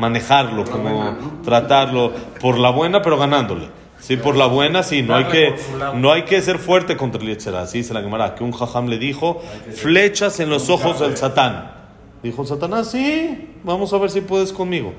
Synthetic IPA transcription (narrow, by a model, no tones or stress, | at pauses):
mane̞xaɾlo̞ko̞mot̪ɾat̪aɾlo̞po̞ɾlaβwe̞nape̞ɾo̞ɣanãnd̪o̞lḛ | sipo̞ɾlaβwe̞nasinoajkeno̞ajke̞s̬e̞ɾfwe̞ɾt̪e̞ko̞nt̪ɾaleseɾa̰siselaɣemaɾakeuŋxaxamle̞ðixo̞fle̞t͡ʃase̞nlo̞soxo̞zðe̞lsat̪an | d̪ixo̞es̬at̪anasibamosaβe̞ɾs̬ipwe̞ðesko̞nmiɣo̞̰